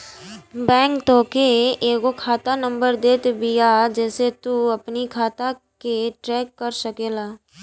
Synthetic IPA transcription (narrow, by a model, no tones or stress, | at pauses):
bɛ̃ːŋkt̪õːkeeːkokʰaːt̪anə̃mbəɾd̪eːt̪ebijad͡ʒɛːset̪uɐpnikʰaːt̪a | keʈɾɛːkːəɾsəkeːlaː